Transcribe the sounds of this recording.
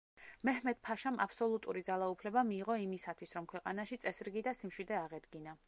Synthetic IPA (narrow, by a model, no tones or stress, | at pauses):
mɛhmɛd̪̚pʰaʃama̰psɔlˠut̪ʼṵɾid̪zalˠaupʰlɛbamiːʁɔimisat̪ʰwisɾɔmkʰwɛqʼa̰naʃit̪sʼɛsɾɡid̪asimʃwid̪ɛaʁɛd̪ɡina